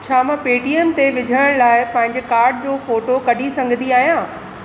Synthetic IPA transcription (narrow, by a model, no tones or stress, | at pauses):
t͡ɕʰaːmãpeːʈiemt̪eʋɪd͡ʑʱəɽəɽ̃laːɪpɐ̃ɦɪ̃ɲd͡ʑekaːɾɖd͡ʑoːfoːʈokɐɖʱisɐ̃ŋɡʱəniaːɦijãː